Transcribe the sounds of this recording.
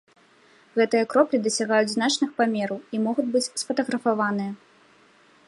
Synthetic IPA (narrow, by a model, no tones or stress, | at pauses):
ɣɛt̪ɨjɐkɾɔplʲid̪ɐsʲaɣajud͡zʲznat͡ʂnɨxpamʲɛɾɐwimɔɣud͡zʲbɨt͡sʲsfɐt̪ɐɣɾɐfavanɨjɐ